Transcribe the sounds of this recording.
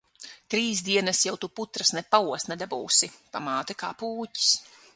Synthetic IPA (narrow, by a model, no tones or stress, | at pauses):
t̪ɾiːs̬d̪iɛnɐsjawt̪uput̪ɾɐsnɛpauɔsnɛd̪abṵːsipamaːt̪ɛkaːpuːci̥s